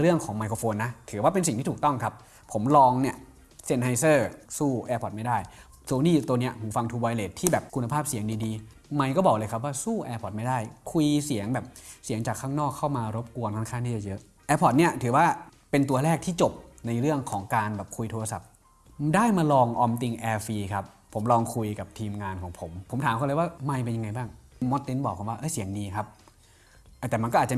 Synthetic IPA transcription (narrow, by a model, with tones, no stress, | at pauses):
ɾɯ˥˩əŋkʰɔː˩˦ŋma˧jkʰo˧foː˧nːa˦˥t̪ʰɯː˩˦waː˥˩pe˧nsi˨˩ŋt̪ʰiː˥˩uː˨˩k̚t̪ɔ˥˩ŋkʰa˦˥p̚ʰ | o˩˦mlɔː˧ŋni˥˩ə | se˦˥˩nha˧˥jsɤː˥˩suː˥˩ʔɛː˧pʰɔ˨˩t̪̚ma˥˩jdaː˥˩j | soː˧niː˥˩t̪u˧ni˦˥ɐhuː˩˦fa˧ŋt̪ʰuː˧bɔ˧jleː˨˩t̪ʰːiː˥˩bɛː˨˩p̚kʰu˧na˧pʰaː˥˩p̚si˨˩˦əŋdiː˧diː˧ | ma˧jkɔː˥˩bɔː˨˩lɤː˧jkʰa˦˥p̬̚waː˥˩suː˥˩ʔɛː˧pʰɔ˨˩t̪̚ma˥˩jdaː˥˩jkʰu˧jsi˩˦əŋbɛː˨˩p̚si˨˩˦əŋt͡ɕaː˨˩kʰːaː˥˩ŋnɔː˥˩kʰːa˥˩wmaː˧ɾo˦˥p̚ku˧ənkʰa˥˩kʰaː˥˩nt̪iː˥˩t͡ɕa˨˩jɤ˦˥ʔ | ʔɛː˧pʰɔ˨˩t̪̚ni˥˩ɐt̪ʰɯː˩˦waː˥˩ | pe˧nt̪̬u˧ɐlɛː˥˩k̚t̪ʰiː˥˩t͡ɕo˨˩p̚na˧jɾɯ˥˩əŋkʰɔː˩˦ŋkaː˧nbɛː˨˩p̚kʰu˧jt̪ʰoː˧a˧sa˨˩p̚ | daː˥˩jmaː˧lɔː˧ŋʔɔː˧mt̪i˧ŋʔɛː˧fiː˧kʰa˦˥pʰːo˩˦mlɔː˧ŋkʰu˧jka˨˩p̚t̪ʰiː˧mŋaː˧nkʰɔː˩˦ŋpʰo˩˦mpʰo˩˦mt̪ʰaː˨˦kʰɔ˧˨ljwaː˥˩ma˧jp̬e˧nja˧ŋːa˧jbaː˥˩ŋmɔ˦˥t̪ːi˦˥nbɔː˨˩kʰɔː˨˩˦waː˥˩ʔɤː˧˥˩jsi˨˩˦əŋdiː˧kʰa˦˥p̚ | ʔa˧˩t̪ɛː˨˩m˧nkɔː˥˨aː˨˩t͡ɕa˨˩